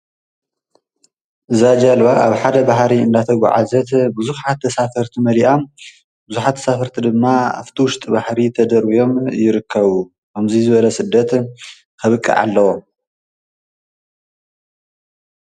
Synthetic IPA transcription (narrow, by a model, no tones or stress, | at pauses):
ʔɨzad͡ʒalβaʔaβħad̪ɐbaɦɾiɨnd̪at̪ʰɐɡʷa̰ʕa̰zɐt̪bɨzuħat̪ʰːɐsafɐɾt̪ʰimɐliʔam | bɨzuħat̪ʰːɐ̥safɐɾt̪ʰid̪ɨmːaa̰ft̪ʰiwʊʃt̪ʼibaħɾit̪ʰɐd̪ɐɾwijo̞mjɪɾɨkʰːɐβu | kʰɐmzizɨβɐlɐsɨd̪ːɐt̪ | kʰɐβɨkʼːḭʕa̰lːɐwom